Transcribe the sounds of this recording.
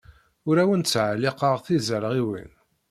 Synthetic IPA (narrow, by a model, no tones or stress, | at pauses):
ʊɾæwənt͡sːʕaliqəʁθizəɾəʁiwḭn